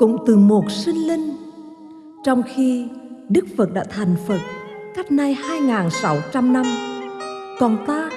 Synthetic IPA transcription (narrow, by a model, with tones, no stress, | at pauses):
kʊ̰˧˥ŋ͡mt̪ɨ˨˩mo˨˩t̚sï˧ŋ̟lï˧ŋ̟ | t͡ɕɔ˧wŋ͡mxi˧ɗɨ˦˥k̚fə˨˩t̚ɗa̰ː˧˥t̪ʰa˨˩jŋ̟fə˨˩t̚ka˦˥jk̟̚na˧jhaː˧jŋaː˨˩nsa˨˦wt͡ɕa˧mna˧m | kɔ˨˩nt̪aː˧